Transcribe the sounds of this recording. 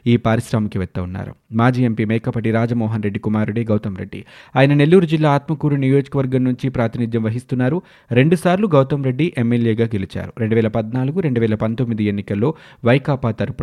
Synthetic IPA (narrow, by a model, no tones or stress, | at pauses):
iːpaːɾiʃɾaːmɐkiʋɛt̪ːɐunːa̰ːɾṵmaːd͡ʒiːe̞mpiːmɛːkɐpːɐʈiɾaːd͡ʒɐmɔːɦɐnɾe̞ɖːikumaːɾeɽeːɡɐwt̪ɐmɾḛɖːḭaːjɐnɐne̞lːuːɾud͡ʒilːaːt̪mɐkuːɾunijo̞ːd͡ʒɐkɐʋɐɾɡɐmnuɲt͡ʃipɾaːt̪inid̪jɐmʋɐɦist̪unːaːɾu | ɾe̞ɳɖusaːɾluɡɐwt̪ɐmɾe̞ɖːiʔemːeljeːɡaːɡelit͡ʃa̰ːɾuɾeɳɖuʋɛːlɐpɐd̪naːluɡuɾe̞ɳɖuʋɛːlɐpɐnt̪o̞mːid̪ie̞nːikɐlːo̞ː | ʋɐjɐkaːpaːt̪ɐɾpu